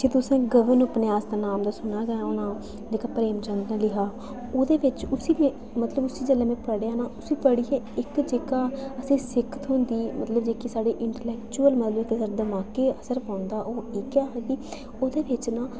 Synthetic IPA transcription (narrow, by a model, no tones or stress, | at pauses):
d͡ʒeːt̪ʊsɛ̃ːɡəʋənʊpneaːsd̪aːnaːmd̪aːsʊnaːɡəaːoːnãː | d͡ʒeːkaːpɾeːmt͡ʃə̃nd̪nãːlɪɦaː | oːd̪eːʋɪt͡ʃʊsiːmɛ̃ː | mət̪ləbʊsiːd͡ʒəlɛːmɛ̃ːpəɽeaːnaːʔʊsiːpəɽiːɛːɪkd͡ʒeːkaːəsĩːsɪkʰət̪ɦʊ̃nd̪iːmət̪ləbd͡ʒeːkiːsaːɽeːʔɪɳʈelɛːkt͡ʃuːəlmət̪ləbɪkəsəɾd̪əmaːkeːəsəɾpaːnd̪aːʔoːiːkaːɦɛɡ̪iː | oːd̪eːbɪt͡ʃnãː